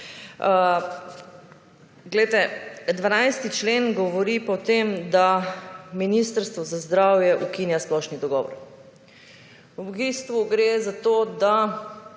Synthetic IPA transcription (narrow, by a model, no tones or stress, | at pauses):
ɡlɛjt̪ɛd̪ʋanajst̪it͡ʃlenɡɔʋɔɾipɔwt̪emd̪aminist̪əɾst̪ʋɔzazd̪ɾawjɛʔukinjasplɔʃnid̪ɔɡɔʋɔ̰ɾ | ubbist̪ʋuɡɾezat̪oːd̪a